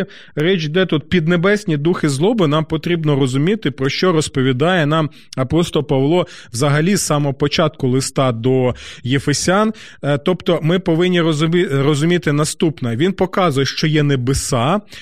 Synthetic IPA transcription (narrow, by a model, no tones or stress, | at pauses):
ɾɛt͡ʃʲd̪ɛt̪ut̪̚pʲid̪nebɛsʲnʲid̪uxɪzlˠɔbɪnɑmpɔt̪ɾʲibnɔɾɔzʊmʲit̪ɪpɾɔʃt͡ʃɔɾɔspɔʋʲid̪ɑjɛnɑm | ɐpɔst̪ɔpɐʋlˠɔwzɐɦɐlʲisɑmɔɔpɔt͡ʃɑt̪̚kʊlˠɪst̪ɑd̪ɔjefesʲɑn | t̪ɔpt̪ɔmɪpɔʋɪnʲːiɾɔrɔzʊmʲit̪ɪnɐst̪upnɐʋʲinpɔkɑzʊjɛʃt͡ʃɔjɛnebesɑ